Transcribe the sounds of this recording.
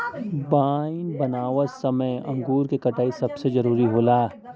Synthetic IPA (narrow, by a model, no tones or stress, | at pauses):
baːɪnbɐnaːʋətsɐməjɐ̰̃ŋɡuːɾkekɐʈaːisɐbsezɐɾuːɾiɦoːlaː